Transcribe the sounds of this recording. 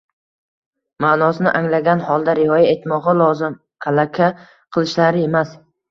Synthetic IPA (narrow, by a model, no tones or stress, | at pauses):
manɒsɪnɪ̰ʔaŋlaɡʲanhɒlˠd̪aɾɪɒjae̞t̪mɒʁɑlˠɒzɪm | hʰalakʲʰa | qʰɨlˠɪʃlaɾɪe̞mas